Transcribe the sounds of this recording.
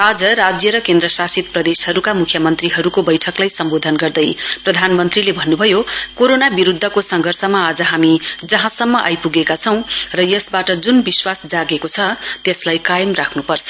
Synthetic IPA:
ad͡zʌɾad͡zjʌɾʌkend̪ɾrʌsasit̪̚prʌd̪eshʌɾukamukʰjʌmʌnt̪riɦʌɾukobʌjʈʰʌklajsʌmbod̪ʱʌnɡʌrd̪ʌjprʌd̪ʱanmʌnt̪rilebʱʌnːubʱʌjokoɾonabiɾud̪ʱːʌkosʌŋɡʱʌrsʌmaːd͡zʌɦamid͡zʌɦãsʌmːʌʔa̰jpuɡekat͡sʰʌ̃w̃rʌjʌsbaʈʌd͡zunbiswasd͡zaɡekot͡sʰʌt̪eslajkajʌmrakʰnupʌrt͡sʰʌ̥

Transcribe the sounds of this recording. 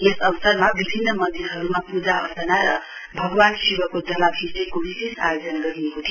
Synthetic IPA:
esʌbʌsʌrmabibʱinːʌmʌnd̪irɦʌɾumapud͡zaʌ̰sʌnaɾʌ | bʱʌɡbansibʌkod͡zʌlabʰʱisekobisesa̰jod͡zʌnɡʌɾiekot̪ʰijo

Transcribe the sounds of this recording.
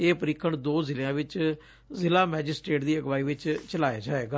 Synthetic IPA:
eːpəɾɪkʰːəɳd̪oːzɪlejãːʋɪt͡ʃ | zɪlaːmɛːd͡ʒɪsʈeːʈd̪iːəɡʋaːiːʋɪt͡ʃt͡ʃəlaːjaːd͡ʒaːeːɡaː

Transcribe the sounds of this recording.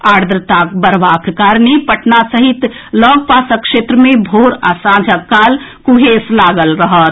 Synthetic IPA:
aːɽd̪ɾət̪ak̚bəɾʋakkaɾnipəʈʰnasəɦit̪ | lɔɡpasəkʃet̪ɾəmẽbʱoɾasãd͡ʒʱəkaːl | kuɦeslaɡəlɾəɦət̪

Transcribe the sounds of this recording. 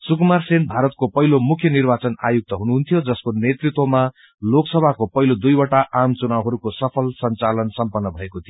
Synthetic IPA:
sukmarsenbʱaɾʌt̪̚kopʌɦilomukʰjʌnirbat͡sʌna̰juk̚t̪ʌɦunuɦunt̪ʰijod͡zʌskonet̪rit̪wʌma | loksʌbʱakopʌɦilod̪ujwʌʈaʔamt͡sunawɦʌɾukosʌpʰʌlsʌnt͡salʌnsʌmpʌnːʌbʱʌekot̪ʰijo

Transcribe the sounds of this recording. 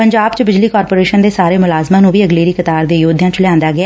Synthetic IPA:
pəɲd͡ʒaːbt͡ʃəbɪd͡ʒliːkɔːɾpoːɾeːʃənd̪eːsaːɾeːmʊlaːzmãːnũːʋiːəɡleːɾiːkət̪aːɾd̪eːjoːd̪ʱjãːt͡ʃlɪãːnd̪aːɡɪaː

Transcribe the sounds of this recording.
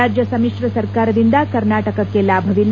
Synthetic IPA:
aːd͡ʒjɐsɐmikʂɾɐsɐɾkaːɾɐd̪ind̪ɐkɐɾnaːʈɐkɐkːelaːbʱɐʋin

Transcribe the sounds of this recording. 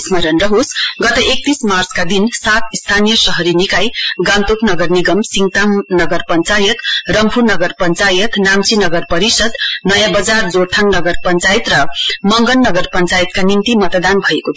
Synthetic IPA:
smʌɾʌnrʌɦosɡʌt̪ʌʔek̚t̪ismart͡skad̪insat̪ist̪ʰanijʌsʌɦʌɾinikajɡant̪oknʌɡʌrniɡʌmsiŋt̪amnʌɡʌrpʌnt͡sajʌt̪rʌmpʰunʌɡʌrpʌnt͡sajʌt̪namt͡sinʌɡʌrpʌɾisʌd̪nʌjãbʌd͡zard͡zort̪ʰaŋnʌɡʌrpʌnt͡sajit̪rʌmʌŋɡʌnːʌɡʌrpʌnt͡sajit̪kanint̪imʌt̪d̪anbʱʌeko

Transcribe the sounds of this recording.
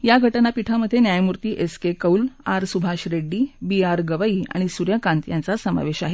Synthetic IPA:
jaɡʱəʈnapiʈʰaməd̪ʱːjenjajmuɾt̪iːʔeskekəulaɾsubʱaɕɾeɖːiːbiaɾɡəʋaia̰ɽ̃isuɾjəkãnt̪jant͡sasəma̰ʋeɕaɦe

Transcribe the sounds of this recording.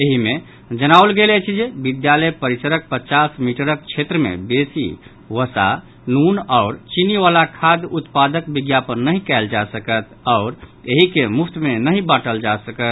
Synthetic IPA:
eɦime | d͡ʒənawlɡelɛt͡ʃʰid͡ʒebid̪jaləjpəɾit͡ʃəɾək̚pət͡ʃasmiʈəɾək̚t͡ʃʰet̪ɾəmḛbesḭ | ʋəsa̰ | nunaʊɾt͡ʃiniʋalakʰad̪ut̪pad̪əkbiɡjapənːəɦĩkɛɪld͡ʒasəkət̪ʰ | ɔʊɾeɦikemupʰt̪menəɦibəʈəld͡ʒasəkət̪

